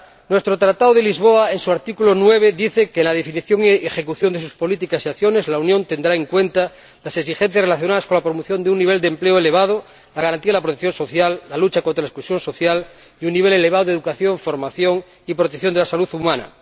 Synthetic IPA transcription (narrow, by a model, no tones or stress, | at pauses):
nwe̞st̪ɾot̪ɾat̪aðoðelizβ̞oaensuaɾt̪ikulonweβ̞eðiθekeːnlað̞efiniθjoŋiexe̞kuθjond̪es̬uspo̞lit̪ikasiaθjonezlaunjont̪e̞nd̪ɾae̞ŋkwent̪a | laseks̬ixen̟θjasrelaθjonaðaskolapɾomoθjo̞nd̪eunːiβeld̪empleoeleβ̞að̞o | laɣaɾant̪iaðeapɾot̪ekθjo̞nso̞θjalːalut͡ʃakont̪ɾalaesklusjo̞nso̞θjal | iunːiβeleleβ̞aðoðeðukaθjo̞ɱfoɾmaθjoŋ | ipɾot̪ekθjo̞nd̪easaluθumãna̰